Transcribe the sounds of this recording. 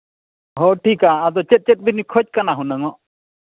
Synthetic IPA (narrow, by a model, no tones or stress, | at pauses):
ɦɔʈʰikaːd̪ɔt͡ʃɛt̪̚t͡ʃɛt̪̚binikʰɔt͡ʃ̚kanaɦunaŋɔʔ